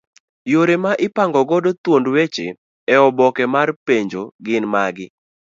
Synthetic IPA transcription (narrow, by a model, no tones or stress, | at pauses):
joɾemaʔɪpaŋɡɔɡɔdot̪wondwet͡ʃḛ | ɛɔbɔkɛmarpeɲd͡ʒoɡɪnmaɡɪ